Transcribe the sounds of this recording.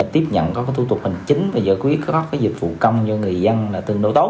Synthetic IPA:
a˨˩t̪i˦˥əp̚ɲə̰˧˨nkɔ˨˦a˨˦t̪ʰu˧t̪̬̚mɨ̈˨˩ŋt͡ɕï˨˦ŋ̟vaː˨˩zəː˧˩kwi˦˥ət̚kɣɔ˦˥kaː˨˦jzi˨˩k̟̚vṵ˧˨kə˧wŋ͡mt͡ɕɔ˧ŋɨ˨˩əjzə˧nlaː˨˩t̪ɨ˨˩əŋɗo˧t̪o˦˥

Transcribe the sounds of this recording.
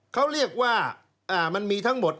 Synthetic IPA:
kʰa˦˥wɾi˥˩ək̚waː˥˩ | ʔaː˧˩ma˧nmiː˧t̪ʰa˦˥ŋmo˨˩t̪̚

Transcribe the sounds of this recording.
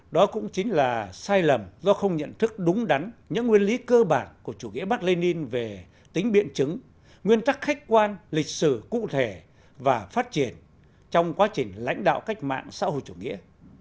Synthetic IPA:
ɗɔ˨˦kʊ̰˧˥ŋ͡mt͡ɕi˨˦ŋ̟laː˨˩saː˧jlə˨˩mzɔ˧xə˧wŋ͡mɲə̰˧˨nt̪ʰɨ˦˥k̚ɗʊ˨˦ŋ͡mɗa˨˦nɲɨ̰˧˥ŋwi˧ənli˨˦kəː˧ɓaː˧˩nku˧˩ət͡ɕu˧˩ŋḭ˧˥əɓa˦˥t̚le˧ni˧nve˨˩ | t̪ï˨˦ŋ̟ɓḭ˧˨ənt͡ɕɨ˨˦ŋ | ŋwi˧ənt̪a˦˥k̚xa˦˥jk̟̚kwaː˧nlï˨˩k̟̚sɨ˧˩kṵ˧˨t̪ʰe˧˩ | vaː˨˩faː˦˥t̚t͡ɕi˧˩ən | t͡ɕɔ˧wŋ͡mkwaː˨˦˥t͡ɕï˨˩ŋ̟la̰˧˥jŋ̟ɗa̰ː˧˨wka˦˥jk̟̚ma̰ː˧˨ŋsa̰ː˧˥ho̰˧˨jt͡ɕu˧˩ŋḭ˧˥ə

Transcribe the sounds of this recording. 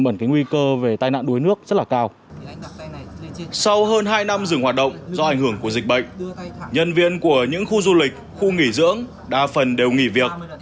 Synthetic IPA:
ɓə˧˩nkaː˨˦jŋwi˧kəː˧ve˨˩t̪aː˧jna̰ː˧˨nɗu˨˦jnɨ˦˥ək̚zə˦˥laː˨˩kaː˧w | sa˧wɦəː˧nɦaː˧jna˧mzɨ˨˩ŋhwaː˨˩t̚ɗə̰˧˨wŋ͡mzɔ˧ʔa˧˩jŋ̟hɨ˧˩əŋku˧˩əzï˨˩k̚ɓə̰˧˨jŋ̟ɲə˧nvḭ˧ənku˧˩əɲɨ̰˧˥ŋxu˧zu˧lï˨˩k̟̚xu˧ŋi˧˩zɨ̰˧˥əŋ | ɗaː˧˩fə˨˩nɗe˨˩wŋḭ˧˩vi˨˩ək̚

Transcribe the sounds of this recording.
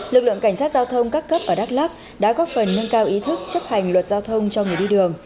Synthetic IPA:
lɨ˨˩k̚lɨ̰˧˨əŋka˧˩jŋ̟saː˦˥t̚zaː˧wt̪ʰə˧wŋ͡mkaː˦˥kːə˦˥p̚ʔəː˨˩ɗaː˦˥k̚laː˦˥p̚ | ɗa̰ː˧˥kɔ˨˦fə˨˩nːə˧ŋkaː˧wʔi˨˦t̪ʰɨ˦˥k̚t͡ɕə˦˥p̚ha˨˩jŋ̟lwə˨˩t̚zaː˧wt̪ʰə˧wŋ͡mt͡ɕɔ˧ŋɨ˨˩əjɗi˧ɗɨ˨˩əŋ

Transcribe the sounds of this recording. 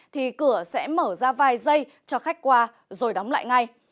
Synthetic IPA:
t̪ʰi˨˩kɨ˧˩əsɛ̰˧˥məː˧˩zaː˧vaː˨˩jzə˧j | t͡ɕɔ˧xa˦˥jk̟̚kwaː˧ | zo˨˩jɗɔ˨˦wŋ͡mla̰ː˧˨jŋa˧j

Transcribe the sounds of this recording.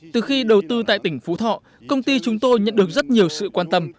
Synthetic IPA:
t̪ɨ˨˩xi˧ɗə˨˩wt̪ɨ˧t̪a̰ː˧˨jt̪ï˧˩ŋ̟fṵ˨˥t̪ʰɔ̰˧˨ | kə˧wŋ͡mt̪i˧t͡ɕʊ˨˦ŋ͡mt̪o˧jɲə̰˧˨nɗɨ˨˩ək̚zə˦˥t̚ɲi˨˩əwsɨ̰˧˨kwaː˧nt̪ə˧m

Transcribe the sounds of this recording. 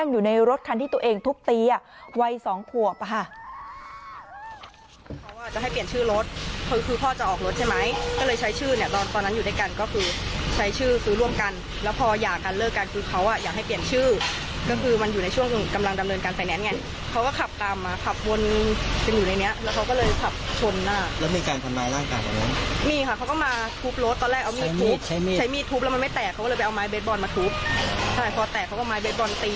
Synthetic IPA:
a˥˩ŋjuː˨˩na˧jɾo˦˥t̪̚kʰa˧nt̪ʰiː˥˩t̪u˧ʔeː˧ŋt̪ʰu˦˥k̚t̪iː˧a˨˩ | wa˧jsɔː˩˦ŋp̪ʰu˨˩ək̚kʰa˥˩ | kʰa˦˥wʔa˧˩t͡ɕa˨˩ʔɦa˥˩jpi˨˩ənt͡ɕʰɯː˥˩ɾo˦˥t̪̚kʰɯ˧kʰɯː˧pʰɔː˥˩t͡ɕa˨˩ʔɔː˨˩k̚ɾo˦˥t̪̚t͡ɕʰa˥˩jma˦˥jkɔː˥˩lɤː˧jt͡ɕʰa˦˥jt͡ɕʰɯː˥˩ni˥˩ɐt̪ɔː˧nt̪ɔː˧nːa˦˥njuː˨˩da˥˩ka˧nkɔː˥˩kʰɯː˧t͡ɕʰa˦˥jt͡ɕʰɯː˥˩sɯː˦˥ɾu˥˩əmka˧n | lɛː˦˥wpʰɔː˧jaː˨˩kːaː˧nlɤː˥˩kːa˧nkʰɯː˧kʰa˦˥wʔa˥˩jaː˨˩k̚ɦa˥˩jpli˨˩ənt͡ɕʰɯː˥˩ | kɔ˥˩kʰɯː˧ma˧njuː˨˩na˧jt͡ɕʰu˥˩əŋ˩˧ka˧mla˧ŋda˧mnɤː˧nkaː˧nsa˧jnɛː˦˥nŋɛ˧˥n | kʰa˦˥wkɔː˥˩kʰa˨˩p̚t̪aː˨˧mːaː˧kʰa˨˩p̚wo˧n˧t͡ɕa˧njuː˨˩na˧jni˦˥ɐʔlɛ˦˥wkʰa˦˥wkɔ˥˩lɤː˧jkʰa˨˩p̚t͡ɕʰo˧nːaː˥˩lɛː˦˥miː˧kaː˧nt̪ʰa˧mnaː˧˥jɾaː˥˩ŋkaː˧jba̰˨˩na˦˥nmiː˧˩kʰa˧˩kʰa˦˥wkɔː˥˩maː˧t̪ʰuː˦˥p̚lo˦˥t̪ːɔː˧lɛː˥˩k̚ʔwmiː˥˩˦uː˦pːʰa˦˥jmiː˥˩t̪ʰuː˦˥plɛ˦˥ma˧ma˥˩jt̪ɛː˨˩kʰa˦wkːɤː˧pa˧jʔa˧maː˦˥jbe˦˥t̪̚bɔː˧nmaː˧t̪ʰuː˦˥p̚dʰaː˥˩jpʰɔː˧t̪ɛː˨˩kʰa˦wkɔː˥˩maː˨˦˥jbeː˦˥t̪̚bɔː˧nt̪iː˧

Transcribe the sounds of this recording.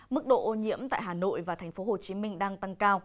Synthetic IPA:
mɨ˦˥k̚ɗo̰˧˨ʔo˧ɲḭ˧˥əmt̪a̰ː˧˨jɦaː˨˩no̰˧˨jvaː˨˩t̪ʰɛ˨˩ŋ̟fo˨˦ho˨˩t͡ɕi˨˦mï˧ŋ̟ɗaː˧ŋt̪a˧ŋkaː˧w

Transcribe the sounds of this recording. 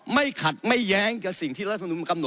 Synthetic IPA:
ma˥˩jkʰa˨˩t̪̚ma˥˩jːɛː˦˥ŋt͡ɕaː˨˩k̚si˨˩ŋt̪ʰiː˥˩ɾa˥t̪̚ʰːu˧˦m˧ka˧mno˨˩

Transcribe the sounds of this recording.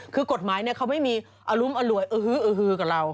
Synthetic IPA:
kʰɯː˧ko˨˩t̪̚maː˨˦jni˥˩ɐkʰa˦˥wma˥˩jmiː˧ | ʔa˧lu˦˥mʔa˧lu˨˩əjʔɤː˧hɯː˧˥ʔɤː˧ɦɯː˧kaː˨˩ɾa˧w

